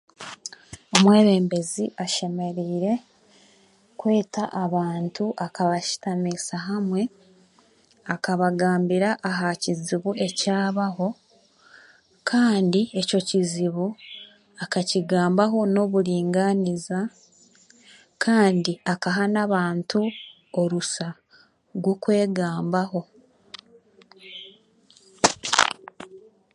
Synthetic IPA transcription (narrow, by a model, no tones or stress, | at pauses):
omwe̞ːβe̞ːmbe̞ziʔaʃe̞me̞ɾiːɾe̞ | kwe̞ːtaʔaβaːntuʔakaβaʃi̥tamisaɦamwe̞ | akaβaɡaːmbiɾaʔːɦaciziβuʔe̞caːβaɦo̞ | kʰaːndie̞co̞ciziβu | akaciɡaːmbaɦo̞no̞βuɾiːŋɡaniza | kʰaːndiakaɦanaβaːntu | oɾusa | ɾɡwo̞kwe̞ːɡaːmbaɦo̞